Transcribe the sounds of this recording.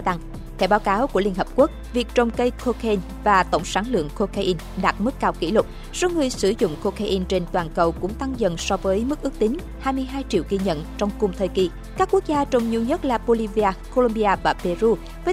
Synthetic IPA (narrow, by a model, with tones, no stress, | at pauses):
t̪a˧ŋ | t̪ʰɛ˧˩wɓaː˨˦wkaː˨˦wku˧˩əli˧ənhəː˨˩p̚ku˦˥ək̚vi˨˩ək̚t͡ɕə˨˩wŋ͡mkə˧jkʰo˧ka˧i˧n | vaː˨˩t̪ə̰˧˩˨wŋ͡msaː˨˦nlɨ̰˧˨əŋko˧kaː˧ʔi˧n | ɗaː˨˩t̚mɨ˦˥kːaː˧wkḭ˧˩lʊ˨˩k͡p̚ | sɔ˧ŋɨ˨˩əjsɨ˧˩zʊ̰˧˨ŋ͡mko˧kaː˧ʔi˧nt͡ɕe˧nt̪waː˨˩nkə˨˩wkʊ̰˧˥ŋ͡mt̪a˧ŋzə̰˧˨nsɔ˧vəː˨˦jmɨ˦˥k̚ʔɨ˦˥k̚t̪ï˨˦ŋ̟ | haː˧jmɨ˧əjɦaː˧jt͡ɕḭ˧˨əwki˧ɲə̰˧˨nt͡ɕɔ˧wŋ͡mkʊ˨˩ŋ͡mt̪ʰəː˨˩jki˧˩ | kaː˦˥kːu˦˥ək̚zaː˧t͡ɕə˧˩wŋ͡mɲi˧wɲə˦˥t̚laː˨˩ɓo˧li˧vi˧aː˧ko˧lo˧mɓi˧aː˧vaː˨˩pe˧zu˧ | vəː˨˦